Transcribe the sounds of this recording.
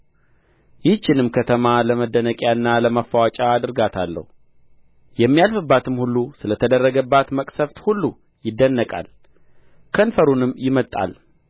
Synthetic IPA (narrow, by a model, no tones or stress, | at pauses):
jɪt͡ʃːɪnɨmkʰət̪ʰəmaləməd̪ːənəkʼjaɨnːaləmafːawat͡ʃʼaːd̪ɨɾɡat̪ʰalːə̰hu | jɛmːijalfɨbːat̪ʰɨmhulːusɨlət̪ʰəd̪ərːəɡəbːat̪məkʼsəft̪hulːu | jɪd̪ːənːəkʼa̰l | kʰənfəɾunɨmjɪmət̪ʼa̰l